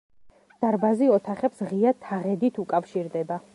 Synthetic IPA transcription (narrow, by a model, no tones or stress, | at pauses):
d̪̥aɾbaziɔt̪ʰaχɛpsʁiat̪ʰaʁɛd̪it̪ʰukʼafʃiɾd̪ɛba